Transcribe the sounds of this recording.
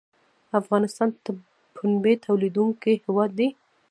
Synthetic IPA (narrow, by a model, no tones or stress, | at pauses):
afɣɑnɪst̪ɑnt̪ə | pʰunbet̪ʰawlid̪uŋkihɪwɑd̪ːi